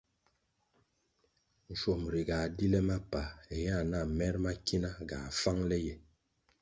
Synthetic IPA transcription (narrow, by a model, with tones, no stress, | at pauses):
n̩˨ʃo˨m˨ɾi˨ɡa˨di˦lɛ˦ma˦pa˨e˨ja˦˨na˦˨mɛ˦ɾma˦ki˦na˦ɡa̰˨fa˦ŋlɛ˦jɛ˨